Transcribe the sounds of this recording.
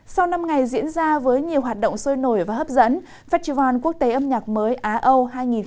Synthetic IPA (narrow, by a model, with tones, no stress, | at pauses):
sa˧wna˧mŋa˨˩jzḭ˧˥ənzaː˧vəː˨˦jɲi˨˩əwɦwaː˨˩t̚ɗə̰˧˨wŋ͡msəː˧jno˧˩jvaː˨˩hə˦˥p̚zə̰˧˥n | faː˦˥t̚t͡ɕi˧˩waː˨˩nku˦˥ək̚t̪e˨˦ʔə˧mɲaː˨˩k̚məː˨˦jʔaː˨˧ʔə˧wɦaː˧jŋi˨˩n